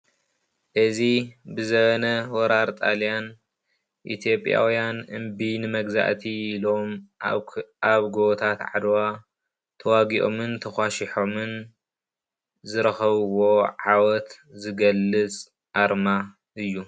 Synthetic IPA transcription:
ʔɨzibɨzɐbɐnɐwɔɾaɾt̪ʼalijan | ʔḭt̪ʰijo̞pʼːja̰wijanʔɨmbinɨmɐɡza̰ʔt̪ʰiːlo̞m | aβɡot̪ʰat̪ʕa̰d̪wa | t̪ʰɐwaɡiʔo̞mɨnt̪ʰɐxʷaʃiħo̞mɨn | zɨɾɐxɐβwo̞ʕawɔt̪ | zɨɡɐlːɨt͡sʼ | ʔaɾma | ʔɨjːu

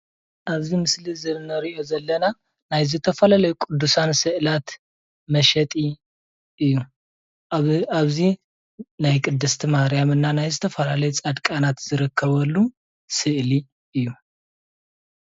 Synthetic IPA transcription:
ʔaβzimɨslizɨnɐɾiʔo̞zɐlːɐna | najzɨt̪ʰɐfɐlalɐjukʼud̪ːusansɨʔlat̪ | mɐʃɐt̪ʼi | ʔɨjːu | aβzi | najkʼɨd̪ːɨst̪ʰimahɾijamɨnːanajzɨt̪ʰɐfɐlalɐjut͡sʼad̪kʼanat̪z̥ɨɾɨkʰːɐβɐlːu | sɨʔli | ʔɨjːu

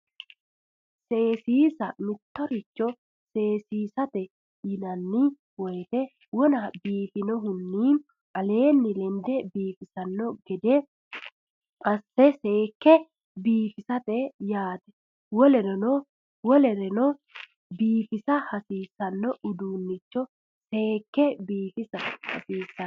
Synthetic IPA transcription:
se̞ːsiːsɐmɪt̪ːɔɾɪt͡ʃːɔ | se̞ːsiːsɐt̪ɛ | jɪnɐnːɪ | wɔjt̪ɛ | wɔnɐbiːfɪnɔɦʊnːiː | ʔɐle̞ːnːɪlɛnd̪ɛbiːfɪsɐnːɔɡɛd̪ɛ | ɐsːɛseːkːɛ | biːfɪsɐt̪ɛjaːt̪ɛ̥ | wɔlɛɾɛnɔ | wɔlɛɾɛnɔ | biːfɪsɐhɐsiːsɐnːɔʔʊd̪uːnːɪt͡ʃːɔ | se̞ːkːɛbiːfɪsɐhɐ̰siːsːɐ

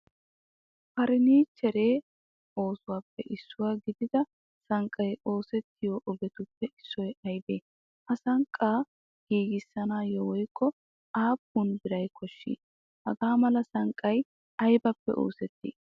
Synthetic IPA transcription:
pɐɾɪniːt͡ʃːɛɾeː | o̞ːsʊwaːpːɛʔɪsːʊwaːɡɪd̪ɪd̪ɐ | sɐŋkʼːɐjo̞ːsɛt̪ʰːɪjoːʔɔɡɛt̪ʊpːɛʔɪsːɔjɐjbeː | ʔɐsɐŋkʼːaː | ɡ̥iːɡɪsːɐnaːjɔwɔjkʰʼːɔ | aːpːʊnbɪɾɐjkʰɔʃːḭː | hɐɡaːmɐlɐsɐŋkʼːɐj | ɐjbɐpːɛ̰ʔo̰ːsɛt̪ːḭː

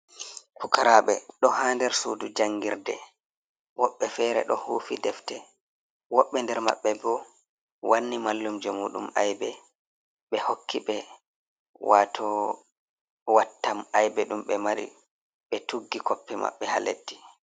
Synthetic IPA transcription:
fukaɾaɓɛɗɔhaːndɛɾsuːdud͡ʒaŋːɡiɾdɛ̰ | wɔɓːɛfɛɾɛ̰ɗɔhuːfidɛftɛ | wɔɓːɛndɛɾma̰ɓːɛbɔ | wʔanːimalːumd͡ʒɔmuɗṵmajbɛ | ɓɛhokʰːiɓɛ | waːtʰɔ | watːamajbɛɗumɓɛmaɾḭ | ɓɛtuɡːikɔpːima̰ɓːɛhalḛdːi̥

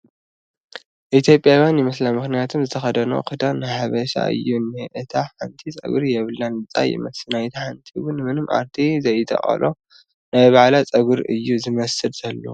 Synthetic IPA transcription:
ʔit̪ʰjo̞pʼjawjanjɨmɨslamɨxnijat̪ʰumzɨt̪ʰɐxɐd̪ɐno̰kʰɨd̪anɨħaβɐʃa̰ʔɨ̰jːunːɨʔɨt̪ʰaħant̪ʰit͡sʼɐ̰ɡuɾjɛβɨlːanɨt͡sʼa̰jɪ̰mɐsnajt̪ʰaħant̪ʰiwʊnmɨnɨmʔa̰ɾt̪ʰizɐjt̪ʰɐ̰χʼɐ̰lʔo | najβaʕlat͡sʼɐɡɨɾɨjːuzɨmɐsɨlz̥ɐlːo̰

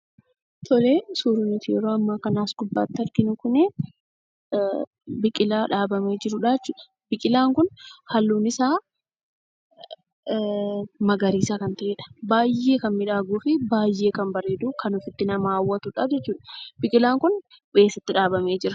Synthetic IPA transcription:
t̪ʰɔleːsuːɾʊnʊt̪ɪjɛ̰ɾo̞ːɐmːaːkɐnaːsɡʊbːa̰ːt̪ːɪhɐɾɡɪnʊkʊnɛ | bɪkʼɪlaːᶑaːbɐme̞ːd͡ʒɪɾʊᶑaːd͡ʒɛt͡ʃːuːᶑɐ̥ | bɪkʼɪlaːŋkʊnhɐlːuːnɪsaː | mɐɡɐɾiːsakɐnt̪ɐʔeːᶑɐ̥baːjːe̞ːkɐnmɪᶑaːɡuːfɪbaːjːeːkɐnbɐreːd̪uːkɐnʊfɪt̪ːɪnɐmaːwːɐt̪ʊᶑaːd͡ʒɛt͡ʃːuːᶑɐ̥b̥ɪkʼɪlaːŋkʊn | be̞ːsːɐt̪ːɪᶑaːbɐme̞ːd͡ʒɪɾɐ̥

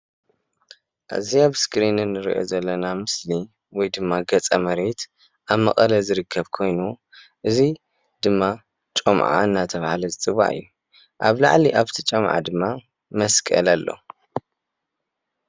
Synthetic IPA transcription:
ʔa̰ziaβskɾinɨnːɨɾḭʔo̞̰zɐlːɐnamɨsli | wɔjd̪ɨmːaɡɐt͡sʼɐmɐɾet̪ | ʔaβmɐ̰kʼɐlɐzɨɾɨkʰːɐβkʰo̞jnu | ʔɨzi | d̪̥ɨmːa | t͡ʃʼomʕa̰ɨnːat̪ʰɐβahlɐzɨt͡sʼɨβa̰ʔɨ̰jːu | ʔa̰βla̰ʕliʔaβt̪ʰɐt͡ʃʼɐmʕa̰d̪ɨmːa | mɐskʼɐ̰lalːo̰

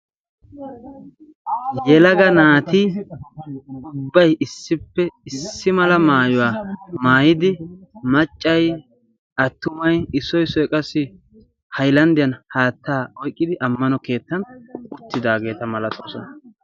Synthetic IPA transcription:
jɛlɐɡɐnaːt̪i | ʊbːɐjɪsːɪpːɛɪsːɪmɐlɐmaːjʊwaːmaːjɪd̪ɪmɐt͡ʃʼːɐj | ɐt̪ːʊmɐjɪsɔjsɔjkʼɐsɪ | hɐjlɐnd̪ɪjɐnhaːt̪ːaːɔjkʼːɪd̪ɪʔɐmːɐnɔke̞ːt̪ːɐnʊt̪ːɪd̪aːɡe̞ːt̪ɐmɐlɐt̪oːsɔnɐ

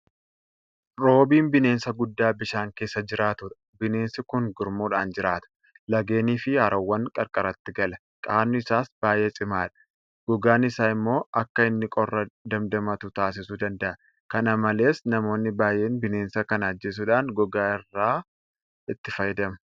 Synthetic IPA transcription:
ɾo̞ːbiːnbɪne̞ːnsɐɡʊd̪ːaːbɪʃaːŋke̞ːsːɐd͡ʒɪɾaːt̪ʊᶑɐ̥ | bɪne̞ːnsɪkʊŋɡʊɾmuːᶑaːnd͡ʒɪɾaːt̪ɐ̥ | lɐɡe̞ːniːfɪhɐɾɐwːɐŋkʼɐɾkʼɐɾɐt̪ːɪɡɐlɐ | kʼaːnːʊɪsaːsbaːje̞ːsʼɪmaːᶑɐ̥ | ɡ̥ɔɡaːnɪsaːɪmːo̞ːɐkːɐɪnːɪkʼɔrːɐd̪ɐmd̪ɐmɐt̪ʊt̪aːs̬ɪsud̪ɐnd̪ɐʔɐ | kɐnɐmɐle̞ːsnɐmo̞ːnːɪbaːjeːnbɪne̞ːnsɐkɐnɐd͡ʒːeːs̬ʊᶑaːnɡɔɡaːɪrːaː | ɪt̪ːɪfɐjɪd̪ɐmɐ

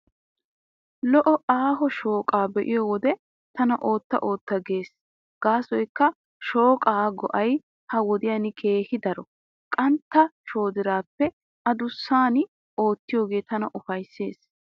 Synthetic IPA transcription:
lɔʔɔʔaːɦɔʃo̞ːkʼaːbɛʔɪjɔwɔd̪ɛ | t̪ɐnɐ̰ʔoːt̪ːɐ̰ʔo̞ːt̪ːɐɡe̞ːs | ɡ̥aːsɔjkːɐ | ʃo̞ːkʼaːɡɔ̰ʔɐj | hɐwɔd̪ɪjanɪkʰe̞ːhɪd̪ɐɾɔ | kʼɐnt̪ːɐʃo̞ːd̪ɪɾaːpːɛ | ʔɐd̪ʊsːaːnɪ | ʔo̞ːt̪ːɪjo̞ːɡe̞ːt̪ɐnɐʔʊfɐjsːe̞ːs

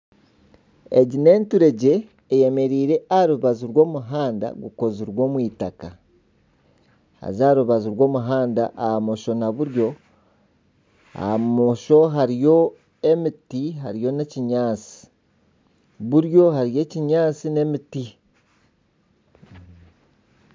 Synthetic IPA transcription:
eɟine̞ːntuɾe̞ɟe̞ː | je̞me̞ɾiːɾe̞aɾuβaziɾwo̞ːmuɦaːnda̰ɡuko̞ziɾwo̞ːmwiːtaka | ha̰zaɾuβaziɾwo̞ːmuɦaːnda̰ʔahamo̞ʃo̞naβuɾjo̞ | a̰moʃo̞ɦaɾijo̞ | e̞mitiɦa̰ɾijo̞ne̞ciɲaːt͡si̥ | βuɾjo̞haɾije̞ciɲaːt͡sine̞miti

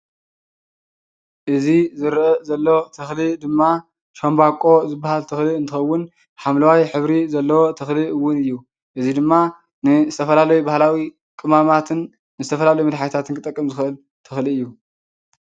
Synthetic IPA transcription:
ʔɨzizɨɾʔɐzɐlːot̪ʰɐxlid̪ɨmːa | ʃombakʼo̞zɨbːahalt̪ʰɨxliɨnt̪ʰɨxɐwːʊn | ħamlɐwajħɨβɾizɐlːɐwo̞t̪ʰɐxliɨwːʊnɨjːu | ʔɨzid̪ɨmːa | nɨzɨt̪ʰɐfɐlalɐjubahlawi | kʼɨmamat̪ʰɨnː | ɨzɨt̪ʰɐfɐlalɐjumɨd̪ħajt̪ʰat̪ʰɨnkʰɨt̪ʼɐkʼːɐmzɨxʔɨl | t̪ʰɨxliɨjːu

